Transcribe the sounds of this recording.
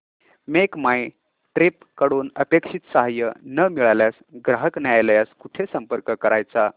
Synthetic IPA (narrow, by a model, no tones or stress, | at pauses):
mekmaj | ʈɾep̚ | kəɽuːnəpekʂit̪səɦajə̰nəmiɭaljas | ɡɾaɦəknjajljaskuʈʰesəmpəɾkəkəɾajt͡sa